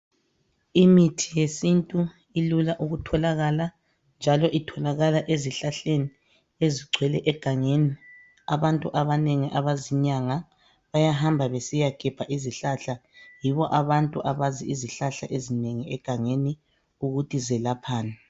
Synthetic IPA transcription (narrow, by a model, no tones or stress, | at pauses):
imitʰijesintʼu | ilulaʔuɣutʰɔlaɣala | nd͡ʒʱalɔʔitʰɔlaɣalaʔeziɬaɬeni | eziɡ͡ǀʱwɛlɛʔɛɡ̥ʱaŋeːni | aβantʼuʔaβaneŋiʔaβaziɲaŋa | βajaɦambʱaβesijaɡ̥ʱɛb̥ʱaʔiziɬaɬajiβɔʔaβantʼuʔaβaziiziɬaɬaʔezineŋiɛɡ̥ʱaŋeni | uɣutʰʼizɛlapʰaːna